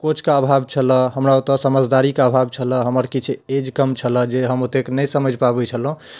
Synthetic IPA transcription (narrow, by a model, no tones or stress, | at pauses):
kot͡ʃʰkaəbʱab̚t͡ʃʰələ̃ɦəmɾaot̪ɔsəməd͡ʒd̪aɾikaəbʱab̚t͡ʃʰələ̃ɦəməɾkit͡ʃʰed͡ʒkəmt͡ʃʰələ̃d͡ʒeɦəmot̪eknəjsəməd͡ʒʱpabɛt͡ʃʰəlɦũ